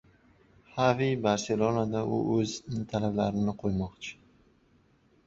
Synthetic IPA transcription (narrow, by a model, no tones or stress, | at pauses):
havibaɾse̞lonad̪aʊ̰ʔɵznɪt̪ʰalablaɾɪnɪqʰojmɒqt͡ʃʰɪ̥